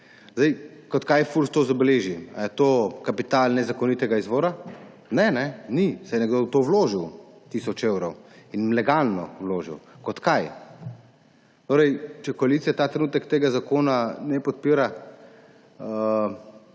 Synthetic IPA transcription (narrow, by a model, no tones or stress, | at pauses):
zd̪ɛjkɔt̪kajfulst̪oːzabɛleːʒia̰jɛt̪oːkapit̪alnɛzakɔnit̪ɛɡaizʋoːɾa | nɛnɛnisɛjɛnɛɡd̪owt̪owloːʒiw | t̪isɔt͡ʃewɾɔwinlɛɡalnɔ̰wloːʒḭwkɔt̪kaj | t̪oːɾɛjt͡ʃɛkɔalit̪sijat̪aːt̪ɾɛnuːt̪ɛkt̪eːɡazakoːnanɛpɔt̪̚piːɾa